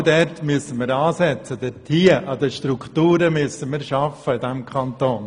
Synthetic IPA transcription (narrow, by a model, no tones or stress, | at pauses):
dɛrtmyəsənmiɾɑːsɛt͡sədɛtʰiːəʔɑdəʃtɾuktuːɾəmyəsənmiɾʃɑfəɪdɛmkʰχɑntoːn